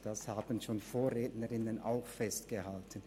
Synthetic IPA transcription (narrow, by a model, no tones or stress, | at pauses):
d̥ashaːbən̩ʃoːnfoːɐʁeːtnəʁɪnəna̰ʊxfɛstɡ̥əhaltən